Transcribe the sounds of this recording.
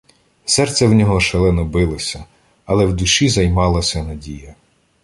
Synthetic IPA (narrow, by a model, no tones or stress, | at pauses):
sɛrt̪sʲɛwnʲɔɦɔʃelˠɛnɔbɪlˠɔsʲɐ | ɐlˠɛwd̪ʊʃizɐjmɑlˠɐsʲɐnɐdʲijɐ